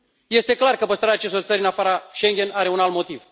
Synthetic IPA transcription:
je̞st̪e̞klarkəpəst̪ɾaɾeat͡ʃe̞s̬t̪o̞rt̪səɾʲɨnafaɾaʃeŋɡʲenaɾe̞unalt̪mo̞t̪iv

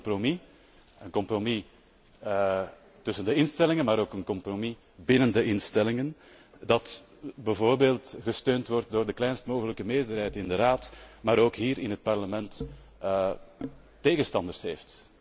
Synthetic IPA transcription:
mpromi | ənkɔmpromi | tʏsəndəɪnstɛlɪŋənmaːɾoːkənkɔmpromi | bɪnəndəʔɪnstɛlɪŋən | dɑt | bəvoːrbeːlˠtɣəstøːntʋɔrt̚doːrdəklɛjnstmoːɣələkəmeːrdərɦɛjtɪndəraːtmaːɾoːkɦiːɾɪnɦət̚pɑrləmɛnt | tːeːɣənstɑndərsɦeːft

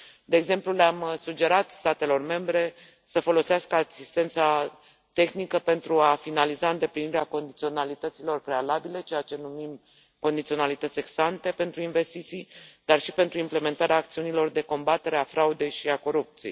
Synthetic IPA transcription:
d̪e̞ːɡze̞mplulamsud͡ʒe̞ɾat̪st̪at̪e̞lo̞rme̞mbɾe̞ | səfo̞lo̞seaskəasist̪e̞nt̪sa | t̪e̞xnikəpe̞nt̪ɾuafinalizaɨnd̪e̞pliniɾeako̞nd̪it̪sionalit̪ət̪silo̞rpɾe̞alabile̞t͡ʃe̞jat͡ʃe̞numim | ko̞nd̪it̪sio̞nalit̪ət̪sʲe̞ɡsant̪e̞pe̞nt̪ɾuinve̞st̪it̪sijd̪̥arʃipe̞nt̪ɾuimple̞me̞nt̪aɾeaːk̚t̪siunilo̞rd̪e̞ko̞mbat̪e̞ɾe̞afɾaud̪e̞jʃiako̞ɾup̚t̪sijḛjj

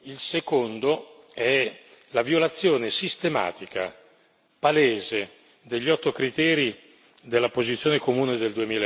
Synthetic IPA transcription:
ilsekond̪oɛ | lavjolat̪sːjoːnesist̪ema̰ːt̪ika̰ | paleːze | d̪eʎːɔt̪ːokɾit̪ɛːɾi | d̪elːapozit̪sːjoːnekomuːned̪eld̪uemiːl

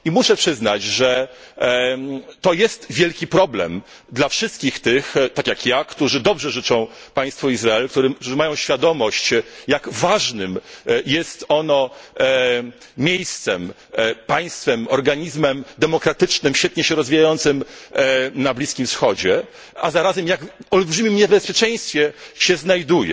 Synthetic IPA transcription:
imuʂɛpʂɘznat͡ɕʐɛ | t̪ɔjɛst̪vʲjɛlkʲipɾɔblɛ̰m | d̪lafʂɘst̪kʲixt̪ɘxt̪akʲjakjakt̪uʐɘd̪ɔbʐɛʐɘt͡ʂɔ̃w̃ | paj̃st̪fɔizɾaɛlk̚t̪uɾɛkt̪uʐɘmajɔ̃w̃ɕfʲjad̪ɔmɔɕt͡ɕjaɡvaʐnɘmjɛst̪ɔnɔ | mʲjejst̪sɛm | paj̃st̪fɛmɔɾɡaɲizmɛmd̪ɛmɔkɾat̪ɘt͡ʂnɘmɕfʲɛt̪̚ɲɛɕɛɾɔzvʲijajɔnt̪sɘm | nablʲiskʲimfsxɔd͡ʑɛ | azaɾazɛmjakɔlbʐɘmʲimɲɛbɛspʲjɛt͡ʂɛj̃st̪fʲjɛɕɛznajd̪ujɛ̰

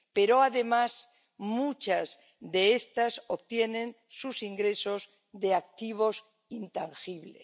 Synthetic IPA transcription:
pe̞ɾoaðe̞mas | mut͡ʃaz | ðe̞est̪asoβt̪je̞nẽ̞n | susiŋɡɾe̞so̞z | ðe̞ak̚t̪iβ̞o̞s | int̪aŋxiβlḛ

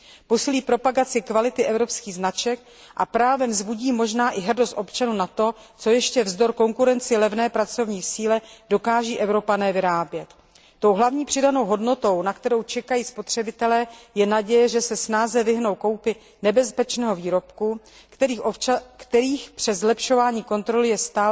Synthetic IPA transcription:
posɪliːpɾo̞paɡat͡sɪkvalɪt̪ɪʔɛvɾo̞pskiːɣznat͡ʃɛk̚ | ʔapɾaːvɛmzbuɟiːmo̞ʒnaːʔɪɦrdost̪ʔo̞pt͡ʃanuːnat̪o̞t͡so̞jɛʃcɛvzdo̞ɾko̞ŋkuɾɛnt͡sɪlɛvnɛːpɾat͡so̞vɲiːsiːlɛdo̞kaːʒiːʔɛvɾo̞panɛːvɪɾaːbjɛt̪ː | o̞wɦlavɲiːpr̥ɪdano̞wɦo̞dno̞t̪o̞wnakt̪ɛɾo̞wt͡ʃɛkajiːspo̞t̪r̝̥ɛbɪt̪ɛlɛːjɛnaɟɛjɛʒɛsɛsnaːzɛvɪɦno̞wko̞wpɪ | nɛbɛspɛt͡ʃnɛːɦo̞viːɾo̞pku | kt̪ɛɾiːxpr̥ɛzlɛpʃo̞vaːɲiːko̞nt̪ɾo̞lɪjɛst̪aː

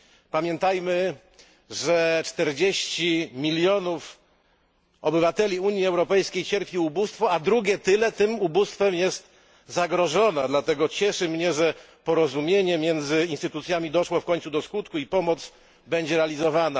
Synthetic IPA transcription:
pamʲjɛnt̪ajmɘ | ʐɛt͡ʂt̪ɛɾd͡ʑeɕt͡ɕimʲilʲjɔnuf | ɔbɘvat̪ɛlʲiuɲjiɛwɾɔpɛjskʲejt͡ɕɛɾpʲiubust̪fɔad̪ɾuɡʲɛt̪ɘlɛt̪ɘmubust̪fɛmjɛst̪ | zaɡɾɔʐɔnad̪lat̪ɛɡɔt͡ɕɛʂɘmɲɛʐɛ | pɔɾɔzumʲjeɲɛmʲjɛnd̪zɘinst̪ɘt̪ut̪sʲjamʲid̪ɔʂwɔfkɔɲt̪sud̪ɔskut̪kuipɔmɔt̪s | bɛɲd͡ʑɛɾɛalʲizɔvana

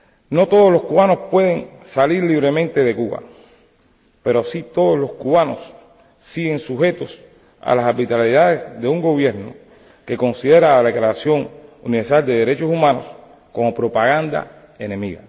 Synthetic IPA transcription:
no̞t̪oð̞oslo̞skuβanospwe̞ð̞e̞ŋsaliɾliβɾe̞mẽnt̪e̞ðe̞kuβa̰ | pe̞ɾosit̪o̞ðoslo̞skuβano̰s | siɣe̞ŋsuɦe̞t̪o̞s | a̰lasaɾbit̪aliðaðe̞sðe̞uŋɡo̞βje̞ɾno̰ | ke̞ko̞ŋsiðe̞ɾaːlaekɾaasjo̞ŋuniβeɾsald̪e̞ðeɾe̞t͡ʃosumãno̞̰s | ko̞mo̞pɾo̞paɣand̪a̰ | e̞nẽ̞miɣa̰

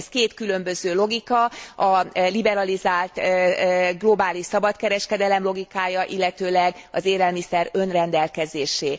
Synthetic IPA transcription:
skeːt̪kylø̞mbøzøːlo̞ɡikɒɒlibɛɾɒlizaːlt̪ː | ɡlo̞baːliʃsɒbɒt̪kɛɾɛʃkɛd̪ɛlɛmlo̞ɡikaːjɒʔilːɛt̪øːlɛɡɒzeːɾɛlmisɛɾø̞nrɛnd̪ɛlkɛzeːʃeː

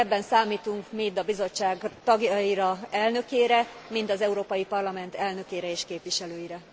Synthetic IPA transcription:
ɛbːɛnsaːmiːt̪uŋkmiːd̪ɒbizo̞t͡ʃːaːɡt̪ɒɡjɒiɾɒɛlnø̞keːɾɛ | mint̪ɒzɛuɾoːpɒjipɒrlɒmɛnt̪ɛlnø̞keːɾɛeːʃkeːpʋiʃɛløːjiɾɛ

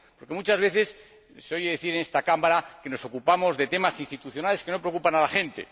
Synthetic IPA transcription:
po̞ɾke̞mũt͡ʃazβe̞θe̞s | seo̞jeðeθiɾene̞st̪akamaɾake̞no̞so̞kupamo̞zðe̞t̪e̞masinst̪it̪uθjo̞nale̞ske̞no̞pɾeo̞kupanalaxẽ̞nt̪e̞̰

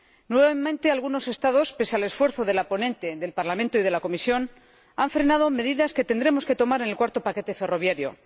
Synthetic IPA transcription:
nwe̞βamẽnt̪e̞alɣuno̞se̞st̪aðo̞spe̞sale̞sfwe̞ɾθo̞ðe̞lapo̞nẽ̞nt̪e̞ðe̞lpaɾlamẽnt̪oið̞e̞lako̞misjo̞n | aɱfɾe̞nað̞o̞me̞ðiðaske̞t̪e̞nd̪ɾe̞mo̞ske̞t̪o̞maɾenelkwaɾt̪o̞pake̞t̪e̞fe̞ro̞β̞jaɾjo̞̰

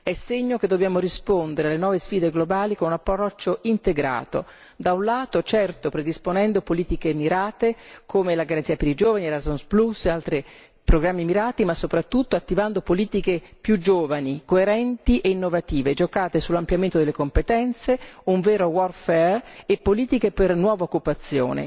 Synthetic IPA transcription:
ɛsːeɲːok̟ed̪ːobjaːmoɾispond̪eɾealenwɔːvesfiːd̪eɡlobaːlikonunapːɾɾɔt͡ʃːoint̪eɡɾa̰ːt̪o̰ | d̪aunlaːt̪ot͡ʃɛrt̪opɾed̪isponɛnd̪opoliːt̪ikemiɾaːt̪ekʰomelaɡaɾansiːapeɾid͡ʒoːvaniɾazonsplusealt̪ɾi | pɾoɡɾamːimiɾaːt̪imasːopɾat̪ːut̪ːoat̪ːivand̪opoliːt̪ikepjud͡ʒoːvanikoeɾɛnt̪iʔeinːovat̪iːved͡ʒokaːt̪esulːampljament̪od̪elekompet̪ɛnt̪seuɱveːɾowɔrfɛrepːoliːt̪ikepernwɔːvaokːupat̪sːjo̰ːnḛ

